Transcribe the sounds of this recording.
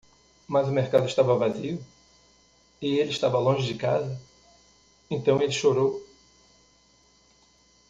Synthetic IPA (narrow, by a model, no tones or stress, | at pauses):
mɐzʊmeɾkad̪ʊɪʃt̪avɐvaziʊ | ɪelɪʃt̪avɐlõʒɪd͡ʒɪka̰zɐ | ẽnt̪ɐ̃w̃elɪʃoɾow